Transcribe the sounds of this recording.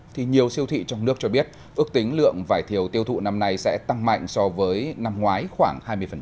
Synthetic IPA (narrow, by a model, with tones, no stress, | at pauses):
t̪ʰi˨˩ɲi˨˩əwsi˧əwt̪ʰḭ˧˨t͡ɕɔ˧wŋ͡mnɨ˦˥ək̚t͡ɕɔ˧ɓi˦˥ət̚ | ʔɨ˦˥ək̚t̪ï˨˦ŋ̟lɨ̰˧˨əŋvaː˧˩jt̪ʰi˨˩əwt̪i˧əwt̪ʰṵ˧˨na˧mna˧jsɛ̰˧˥t̪a˧ŋma̰˧˨jŋ̟sɔ˧vəː˨˦jna˧mŋwaː˨˦jxwaː˧˩ŋhaː˧jmɨ˧əjfə˨˩